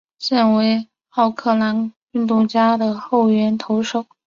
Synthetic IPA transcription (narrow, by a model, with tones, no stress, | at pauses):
ɕjɛ˥˩nwe˧˥ɪ | ɑ˥˧ʊkʰɤ˥˩la˧˥n | y˥˧nt̪u˥˩t͡ɕja˥d̪ə˨xo˥˩ʊɥɛ˧˥nt̪ʰo˧˥ʊʂo˥˩ʊ